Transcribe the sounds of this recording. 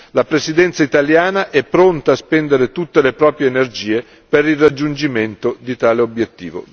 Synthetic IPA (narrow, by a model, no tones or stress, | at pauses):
lapɾesid̪ɛnt̪sait̪aljaːnaʔɛpːɾont̪aːspɛnd̪eɾet̪ut̪ːelepɾɔːpɾjeːnerd͡ʒiːe | peɾilrːad͡ʒːund͡ʒiment̪od̪it̪aːleobjet̪ːḭːvo̰